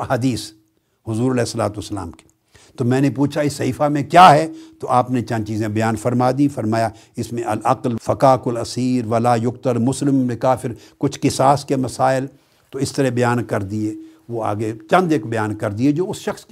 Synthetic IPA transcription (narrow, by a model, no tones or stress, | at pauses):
ɐɦaːd̪iːs | ɦʊzuːɾɐlɛːɪsːɐlaːt̪uɐsːɐla̰ːmke̥ | t̪omɛ̃ːnepuːt͡ʃʰaɪsːɐɦiːfamẽkjaːɦɛt̪oʔaːpnet͡ʃɐ̃nt͡ʃiːzẽbɐjaːnfɐɾmaːd̪ĩfɐɾmaːjaɪsmẽʔɐlɐqlfɐkaːkɐlɐsiːɾʋɐlaːjʊk̚t̪əɾmʊslɪmbɪkaːfɪɾkʊt͡ʃʰkɪsaːskemɐsaːɪl | t̪oɪst̪ɐɾɛbɐjaːnkɐɾd̪ieːʋoa̰ːɡet͡ʃɐ̃nd̪eːkbɐjaːnkɐɾd̪ied͡ʒoːʊsʃɐxsk